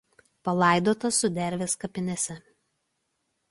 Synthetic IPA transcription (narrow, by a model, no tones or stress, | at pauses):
pɐlˠɑˑɪd̪oːt̪ɐsʊd̪ʲɛɾʲʋʲeːskɐpʲɪnʲɛsʲɛ